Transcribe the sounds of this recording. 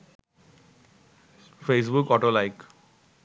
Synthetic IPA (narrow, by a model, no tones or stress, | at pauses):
feːs̬bʊkɔːʈoːlaɪk